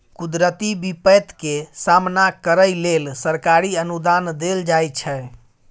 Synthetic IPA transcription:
kud̪ɾət̪ibipət̪kesamnakəɾəjlelsəɾkaɾiənud̪and̪eld͡ʒajt͡ʃʰɛ

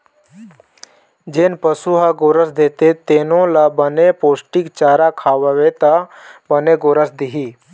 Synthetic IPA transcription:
d͡ʒeːnpəsuɦaɡoːɾəsd̪eːt̪et̪eːnõlabənepoːsʈɪkt͡ʃaːɾakʰaːʋəʋet̪əbəneɡoːɾəsd̪iɦiː

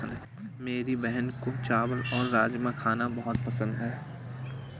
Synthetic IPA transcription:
ənd̪ɦ | meːɾibɛɦənkot͡ʃaːwəlɔːɾːaːd͡ʒmãkʰaːnabɐɦʊt̪pɐsə̃nd̪ɦɛː

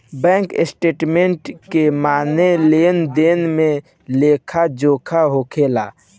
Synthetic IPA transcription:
bɛ̃ːŋkɪsʈeːʈmẽɳʈkemaːneleːnd̪eːnmẽ | leːkʰad͡ʒoːkʰaɦokʰeːla̰ː

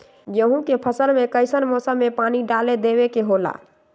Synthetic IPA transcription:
jəɦũkepʰəsəlmẽkəɪsənmosəmːẽpaːniɖaːled̪eʋekeɦoːla̰

